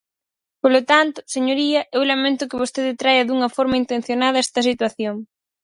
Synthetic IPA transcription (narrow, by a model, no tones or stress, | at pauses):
polot̪ant̪ʊseɲoɾiɐʔewlamẽnt̪ʊkɪβost̪eðɪt̪ɾajɐðuŋɐfɔɾmaint̪en̟θjonað̞ɐɛst̪ɐs̬it̪waθjoŋ